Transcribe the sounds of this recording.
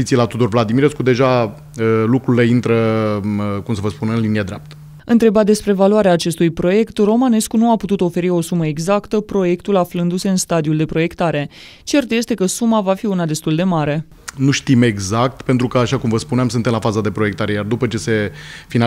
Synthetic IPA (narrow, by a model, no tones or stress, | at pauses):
itsilat̪ud̪orvlad̪imiɾeskud̪e̞ʒa | əlukɾule̞int̪ɾə | kumsəvəspunɨnlinijəd̪ɾap̚t̪ə̥ | ɨ̰nt̪ɾe̞bad̪e̞spɾe̞valuaɾeaːt͡ʃe̞st̪ujpɾo̞je̞kt̪ro̞mane̞skunuaput̪ut̪o̞fe̞ɾio̞suməe̞ɡzakt̪əpɾo̞je̞kt̪ulaflɨnd̪use̞ɨnst̪ad̪iuld̪e̞pɾo̞je̞kt̪aɾe̞ | t͡ʃe̞rt̪je̞st̪e̞kəsumavafiunad̪e̞st̪uld̪e̞maɾe̞ | nuʃt̪ime̞ɡzak̚t̪pe̞nt̪ɾukəaʃakumvəspuneamsɨnt̪emlafazəd̪e̞pɾo̞jekt̪aɾe̞jard̪upət͡ʃe̞se̞fin